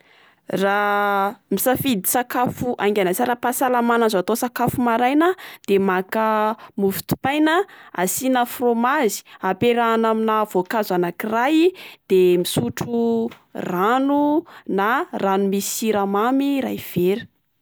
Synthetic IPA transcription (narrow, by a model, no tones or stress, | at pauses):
ra | misafid̪isakafuʔaŋkʲanat͡saɾapasalamanazat̪osakafumaɾajnad̪̥emakəmufi̥t̪u̥pajnəa̰sinafromazi̥apeɾanaminavokazanakirajd̪̥emisuʈ͡ʂu | ranunaranumisiɾamamiɾa̰jv̥eɾu̥